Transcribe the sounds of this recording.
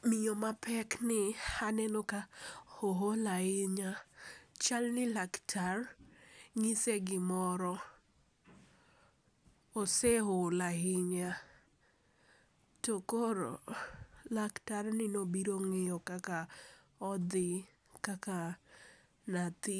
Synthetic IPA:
mɪjɔmapʰɛknɪhanɛnokahoɦolahɪɲat͡ʃalnɪlaktʰar | ŋɪseɡɪmɔɾɔ | oseɦolaɪɲa | tokoɾo̰ | laktarnɪnobiɾoŋɪjɔkaka | ɔd̪ɪ | kaka | nat̪ɪ

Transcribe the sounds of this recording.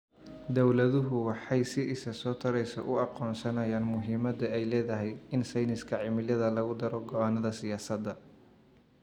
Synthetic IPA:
d̪ɔwlɐðʊɦʊwɑħɑjsɪʔɪsɐsɔːt̪ʰɐɾɛjsɔ̰ʔʊɑqɔːnsɐnɐjaːnmʊɦiːmɐd̪ɐɛjlɛːðɐɦɛjɪnsɐjnɪskʰɐʕɪmɪljɐðɐlɐɣʊd̪ɐɾɔɡɔanːɐðɐsɪjaːsɐd̪ːɐ

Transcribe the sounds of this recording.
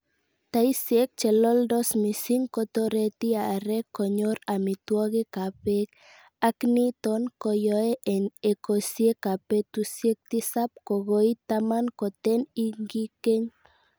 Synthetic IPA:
t̪aisiek̚t͡ʃelold̪osmisiŋkot̪oɾet̪iaːɾekoɲoɾamit̪uoɣekapek | aknit̪onkojoeʔenekosiekapet̪usiek̚t̪isap̚koɣoit̪amankot̪eniŋɡikeɲ

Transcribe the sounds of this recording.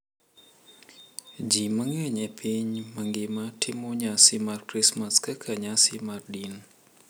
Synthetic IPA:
d͡ʒiməŋɛɲɛpʰiɲməŋɡɪmatʰɪmoɲasimarkɾismaskəkʰaɲasimardin

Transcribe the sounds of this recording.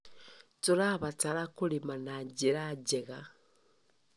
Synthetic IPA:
tuɾaβat͡saɾakulimanaɟiɾaɟeɣa

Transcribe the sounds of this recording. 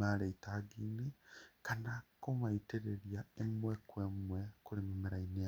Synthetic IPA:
aleitaːɡiːnekanakomaiteɾeɾjaemwekwemwe̞kulimimiɾainea

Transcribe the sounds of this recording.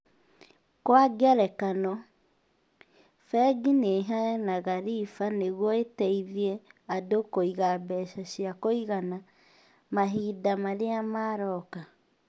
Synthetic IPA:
kwaɡɛɾɛkanɔ | fɛɡineɦanaɣaɾifaneɣwɔetɛiðiɛadokoiɣabɛʃaɕjakoiɣana | maɦiːdamaɾeamaːɾɔka

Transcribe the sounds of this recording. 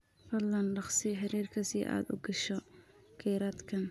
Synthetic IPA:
fɐd̪lɐnɖɑχsɪħɪɾiːrkʰɐsɪʔa̰ːd̪ʊ̰ɡɐʃɔ | kʰɛːɾaːd̪kʰɐn

